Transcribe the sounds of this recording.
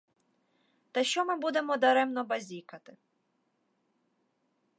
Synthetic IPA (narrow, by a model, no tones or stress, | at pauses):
t̪ɐʃt͡ʃɔmɪbud̪e̞mɔd̪ɐɾɛmnɔbɐzʲikɐt̪ɪ